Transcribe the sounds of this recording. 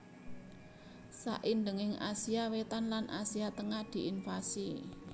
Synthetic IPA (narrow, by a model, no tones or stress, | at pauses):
sa̰ʔind̪əŋɪŋʔasiawet̪anlanʔa̰siat̪əŋahd̪̥i̤ʔinfasi